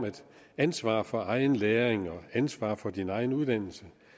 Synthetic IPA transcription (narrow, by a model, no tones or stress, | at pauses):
mæd̥ | ænsʋɑ̰̈ːfɒ̽ʔɑ̈ɪn̩leːɐʁeŋɒ̽ænsʋɑ̰̈ːfɒ̽d̥inɑ̈ɪn̩uð̞ˠd̥æn̰l̩sə